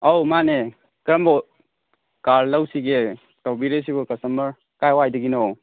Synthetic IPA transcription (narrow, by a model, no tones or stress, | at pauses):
awmane | kɾəmbɔ | kaɾlawsiɡe | tɔbiɾes̬ibɔkasaməɾ | kajwajdɯɡinɔw